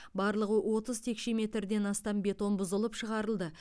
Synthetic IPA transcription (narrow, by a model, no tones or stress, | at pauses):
bɑɾlˠəʁəwʔo̞t̪əzt̪ʰe̞kʃe̞me̞t̪ɾd̪e̞nɑst̪ɑmbe̞t̪o̞nbʊzəlˠəpʃəʁɑɾəlˠd̪ə